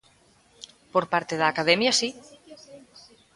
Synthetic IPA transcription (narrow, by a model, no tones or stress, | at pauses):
poɾpaɾt̪eðaːkaðɛmjasi